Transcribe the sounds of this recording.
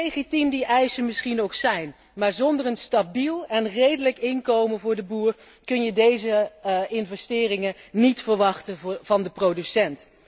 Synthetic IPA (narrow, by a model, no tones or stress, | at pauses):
ejχitimdiʔɛjsənmɪsχinowksɛjn | maːɹzɔndərənstabilˠɛnrejdələkɪnkowmənvʊːɹdəbuːr | kɵnjədejzəɪnvɛstɪːrɪŋənitfəɹʋɑχtəv̥ɑndəprowdysɛnt